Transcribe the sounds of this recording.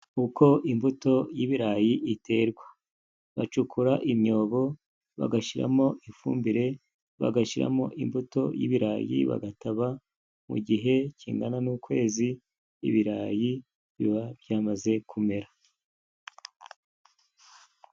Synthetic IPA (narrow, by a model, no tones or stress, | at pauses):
uko̞ʔimbuto̞jiβiɾajiʔitʰe̞ɾɡwa | βat͡ʃukʰuɾaʔimɲo̞ːβo̞ | βa̰ɡaʃiɾa̰mo̞ʔifuːmbiɾe̞ | βa̰ɡaʃiɾa̰mo̞̰ʔimbuto̞jḭβiɾa̰ːjḭβa̰ɡataβa | mṵɡiɦe̞ciːŋɡananuːkwe̞ːzḭː | βiɾaːji | βiβabjaːmaze̞kʰume̞ɾa